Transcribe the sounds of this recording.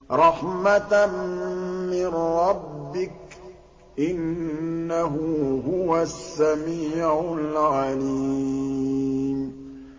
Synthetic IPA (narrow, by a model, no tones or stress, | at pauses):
ɾˤɑħmat̪mmɪnɾˤɑbːɪk̚ | ʔɪnː | aɦʊɦʊwasːamiːʕʊlɣaliː | m